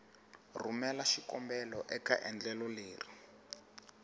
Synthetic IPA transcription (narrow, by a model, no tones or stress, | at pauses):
rumɛlaʃikɔmbɛlɔʔɛka̰ʔɛnd͡ɮɛlɔleːri